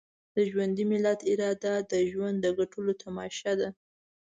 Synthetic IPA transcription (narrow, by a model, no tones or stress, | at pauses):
d̪̥əʒwand̪imɪlat̪ɪɾɑd̪ad̪əʒwand̪ːəɡaʈʰulot̪ʰamɑʃad̪a